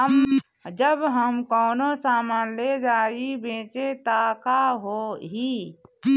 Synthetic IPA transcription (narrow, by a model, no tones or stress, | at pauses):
əm | d͡ʒəbɦəmkɔːnosaːmaːnled͡ʒaːibẽːt͡ʃet̪akaɦoɦi